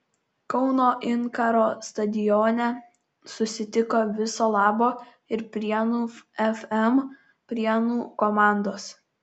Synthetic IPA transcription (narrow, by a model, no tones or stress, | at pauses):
kɒʊnoːʔɪŋkɐɾoːst̪ɐd̪ʲɪjoːnʲɛ | sʊsʲɪt̪ʲɪkoːʋʲɪsoːlˠɑːboː | ɪɾpʲɾʲiɛnuːɛfɛm | pʲɾʲiɛnuːkɔmɑˑnd̪oːs